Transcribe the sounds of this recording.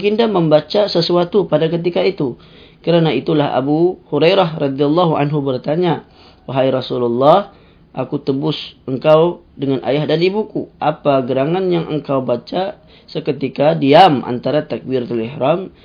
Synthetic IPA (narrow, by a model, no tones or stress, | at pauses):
kindaməmbat͡ʃasəsuat̪upadakət̪̬ikait̪u | kəɾanait̪ulaɦa̰buhuɾajɾaɦrɑd̪ialːɑɦuʔa̰nɦubərt̪aɲa | waɦajɾɑsululːɑh | ʔakut̪əbʊsʔəŋkawdəŋanʔa̰jahdanibukuʔapaɡəɾaŋanjaŋʔə̰ŋkawbat͡ʃa | səkət̪ikadiamʔa̰nt̪aɾat̪ak̚birt̪alihɾam